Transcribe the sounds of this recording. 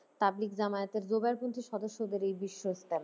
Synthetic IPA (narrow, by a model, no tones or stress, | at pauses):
t̪ablikd͡ʑamaet̪eɾd͡ʑobaɾpont̪ʰiʃɔd̪oʃːod̪eɾejbiʃːost̪el